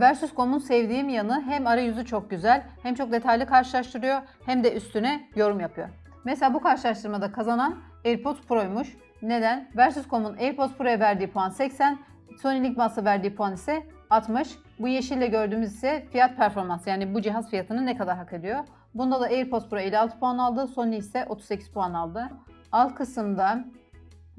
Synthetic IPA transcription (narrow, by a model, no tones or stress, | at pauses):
væɾsyskʰo̞munsɛvd̪iːmjanɯɦæmaɾajyzyt͡ʃʰo̞k̚ɟyzælʲhæmt͡ʃʰo̞k̚d̪e̞t̪ʰajlʲikʰaɾʃɯlˠaʃt̪ʰɯɾɯjo̞ | hæmd̪ɛʔyst̪ʰynɛjo̞ɾumjapʰɯjo̞̰ | meselʲaːbukaɾʃɯlˠaʃt̪ʰɯɾmad̪akʰazanan | eɾpʰo̞t̪spʰuɾojmuʃ | ne̞d̪ænvæɾsyskʰo̞muneɾpʰo̞t̪pʰuɾojavæɾd̪iːpʰuansɛcsæn | so̞nilʲicʲmasavæɾd̪iːpʰuanisɛ | at̪mɯʃ | bujeʃilʲɛɟø̞ɾd̪yːmyzisɛfijat̪̚pʰæɾfo̞ɾmansjaːnibud͡ʒiɦazfijat̪ʰɯnɯnɛkʰad̪aɾɦakʰe̞d̪ijo̞ | bund̪ad̪aejɾpʰo̞t̪pʰuɾoilʲɛalˠt̪ʰɯ̥pʰuanalˠd̪ɯso̞nːisɛʔo̞t̪ʰu̥ze̞cʰiz̥pʰuanalˠd̪ɯ | alˠkʰɯsɯnd̪a